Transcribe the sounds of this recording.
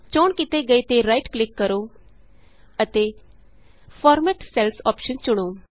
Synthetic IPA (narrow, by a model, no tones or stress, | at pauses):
t͡ʃoːɳkit̪eːɡəeːt̪eːɾaiʈklɪkːəɾoː | ət̪eː | pʰɔːɾmɛːʈsɛlsɔːpʃənt͡ʃʊɽ̃oː